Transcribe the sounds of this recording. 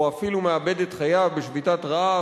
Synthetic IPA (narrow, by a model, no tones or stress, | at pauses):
afilumeabe̞det̪χajavbeʃvitatʁaa